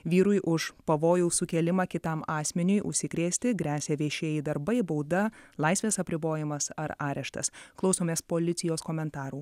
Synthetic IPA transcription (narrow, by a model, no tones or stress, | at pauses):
ʋʲiːɾʊjʔʊʃpɐʋoːjuːsʊkʲɛlʲɪmɐkʲɪt̪ɐmɑːsʲmʲɪnʲʊjʔʊʃʲsʲɪkɾʲeːsʲt̪ʲɪɡɾʲæːsʲeʋʲeːʃʲeːjɪd̪ɐɾbɐɪboʊd̪ɐlˠɐɪsʲʋʲeːsɐpʲɾʲɪboːjɪmɐsɐɾɑːɾʲɛʃt̪ɐ̰sklˠɐʊsoːmʲeːspoːlʲɪt̪sʲɪjoːskoːmʲɛnt̪ɑːɾuː